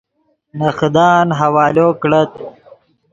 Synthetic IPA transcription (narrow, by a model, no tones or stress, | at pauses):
nɐxd̪ɑːnɦɐwɑːloːkɽət̪̚